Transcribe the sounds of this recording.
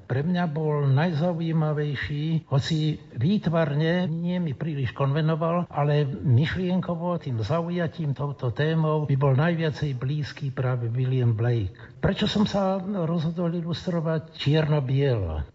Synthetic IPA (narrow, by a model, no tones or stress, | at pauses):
pɾɛmɲabɔlnajzauimaʋɛjʃiːhɔt͡si | ʋiːt̪ʋarɲɛɲɪɛmipɾiːliʃkɔnʋɛnɔʋalalɛmiʃlɪɛŋkɔʋɔt̪iːmzaujaciːmt̪ɔʊt̪ɔt̪ɛːmɔʊbibɔlnajʋɪat͡sɛjbliːskiːpɾaːʋɛʋilɪamblɛjk | pɾɛt͡ʃɔsɔmsaɾɔzɦɔd̪ɔlilust̪ɾɔʋact͡ʃɪɛɾnɔbɪɛlɔ̰